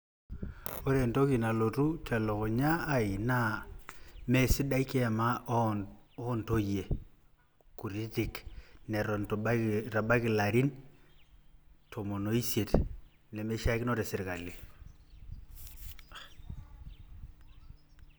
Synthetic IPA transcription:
o˦ɾe˨nto˦ki˨na˨lo˨tu˦tʰɛ˨lo˨kʊ˨ɲaː˦˨i˨na˦ | me˨si˦da˦i˦ke˦˨ma˦ | o˦nto˦je˨ | ku˨ɾi˦ti˨knɛ˨ɾɔ˨ntba˦ɾa˨ɓa˦kɪ˨la˨ɾi˦n | tʰo˨mo˨no˦i˦sje˨t | ne˨me˦ʃa˦kno˦ɾe˨sɪ˨ɾka˨li˨

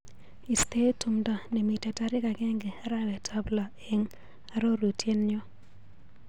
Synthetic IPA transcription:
i˨ste˦tu˨mda˨ne˨mi˨tɛ˨ta˦ɾɪ˦ka˨ɡɛ˦ŋɡe˨a˦ɾa˦wɛ˨tʰa˦bla˨ | e˦ŋ | a˨ɾo˦ɾu˨tʰje˦nɲɔ˦

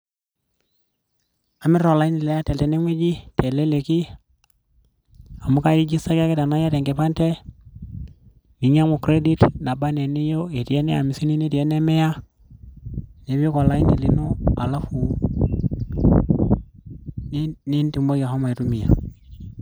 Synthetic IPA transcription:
a˨mi˦ɾo˨la˨i˦ni˨lɛ˦ja˦tɛ˨ltɛ˨ne˦ŋʷwe˦d͡ʒi˦tɛ˨le˦le˨ki˦ | a˨mu˦ka˦ɡi˦d͡ʒi˦sa˦ka˦ke˦ta˨na˦ja˦tɛ˨ŋɡe˨pa˦ntɛ˦ | mi˨ɲa˦mo˨kɾe˦di˦tna˨ba˦nɛ˨ni˦jo˦e˨ti˨ɛ˦nɛ˦a˨mi˨si˦ni˦ni˦ti˨ɛ˦nɛ˦mɛ˦ja˦ | ne˨bo˦kɔ˨la˨i˦ni˨li˨no˦a˨la˦fu˨ | ni˦nti˨mbo˦ja˨ha˦ma˨i˨tu˦mi˨ja̰˨

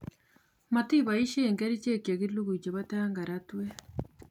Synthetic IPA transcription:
mati˦βaji˦ʃeːŋɡe˦ɾi˦ce˦ka˨ɣi˦lu˦ɣu˨ɟe˨βataːŋɡaɾatwe˦

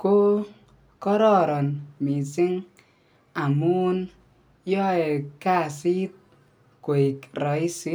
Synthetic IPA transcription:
ko˦ | kɔ˦ɾɔ˦ɾɔ˨nmi˨si˦ŋ | a˨muː˦n | jɔ˦e˨ka˦˨si˦t̚ | ko˨i˨kɾɔ˨˦i˦si˦

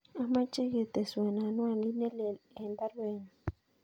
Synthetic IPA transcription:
a˦ma˦t͡ʃe˦ɣe˨t̪e˨swa˨na˨nwa˦˨nli˦ne˦le˨e˨nd̪a˦ɾwe˦˨ni

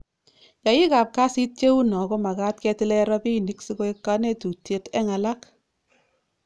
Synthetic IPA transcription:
ja˨ji˦ka˨p̚ka˦si˦t̚t͡ʃe˦wu˦nɔ˨ko˦ma˨ka˦tkɛ˧tɪ˦lɛ˦ɾɔ˦pi˦ni˨˦ksi˦ko˦e˦kːa˦ne˦tu˨tje˦tɛ˦ŋa˨la˦k

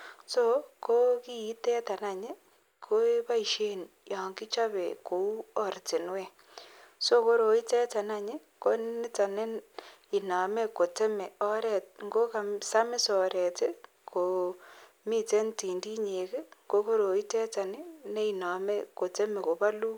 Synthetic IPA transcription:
so˦ko˦ki˦i˦tɛ˦ta˨na˨ɲe˦ | kʰo˦e˦ba˦i˨ʃe˦nja˨ŋki˦t͡ʃa˦βḛ˨ko˨u˦ɔ˦ɾte˨nwe˦˨ | so˦ko˦ɾo˨i˦tɛ˦ta˨na˨ɲɪ˦ | ko˦n˦nɪ˦ta˨ne˦n | i˨na˨me˦ko˨te˦me˨ɔ˦ɾɛ˨t̚ŋɡo˦ka˨msa˦mɪ˦sɔ˨ɾɛ˨te˦ | kʰo˨ | mi˦te˦nti˨ndi˦ɲe˨ke˦ko˦ko˦ɾo˨i˦tɛ˦ta˨nɪ˦ne˦i˨na˨me˦ko˨te˦me˨ko˨ba˦lu˦

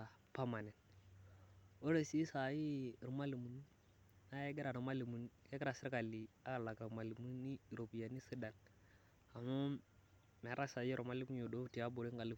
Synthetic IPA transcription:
a˨ | pa˦ma˨ne˨n | o˦ɾe˨si˦sa˨ji˦˨ɾma˦li˨mu˨nu˦ | na˦je˦ɡi˦ɾa˨ɾu˨ma˦li˨mu˨n˦je˦ɡi˦ɾa˨si˦ka˨li˨a˦ka˨la˨kɾa˨ma˨li˨mu˦ni˦˨ɾo˨pi˨ja˨ni˦si˦da˨n | a˨mo˦ | me˨˦ɾa˦sa˨ji˦ɾʔo˨ma˦li˦ku˦o˨do˦ti˨a˦bo˨ɾi˦ŋɡa˨li˦

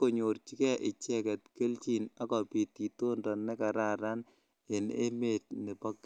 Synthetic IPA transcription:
ko˨ɲo˨ɾt͡ʃi˦kɛ˦ʔɪ˨t͡ʃɛ˦kɛ˨tke˦lt͡ʃi˨na˦kɔ˨pi˨ti˨to˦ndɔ˨nɛ˦ka˨ɾa˦ɾa˦n | e˨nḛ˦me˨t̚ne˨pɔ˦k

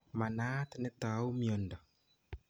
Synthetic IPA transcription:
ma˨naː˦te˨ne˦ta˨˦u˦miɔ˨ndɔ˨

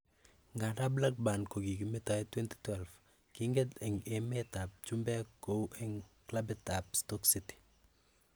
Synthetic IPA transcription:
ŋɡa˨da˦bla˦k̚ba˨nko˨ɡi˨ɡi˨mɪ˦ta˨ɛtwɛ˦nti̥twɛlf | kiŋɡe˦dɛ˨ŋe˨meta˨p̚t͡ʃu˦mbɛ˦ko˦uʔɛ˦ŋkla˦bɛta˨pstɔ˦ksiti̥˨

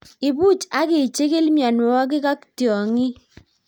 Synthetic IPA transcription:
ɪ˨bu˦t͡ʃa˦kɪ˨t͡ʃe˦ke˦lmja˨nwɔ˦k̬ɪ˦ka˦ktjɔ˨ŋi˦

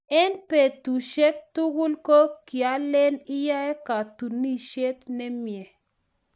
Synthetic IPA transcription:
ɛ˦npe˨t̪u˨ʃɛ˦k̚tu˦ɣu˦lko˦ki˨a˨˦lɛ˦ni˦ja˦ɛ˦ka˨tu˨ni˦ʃe˦t̪nɛ˦mjɛ˨

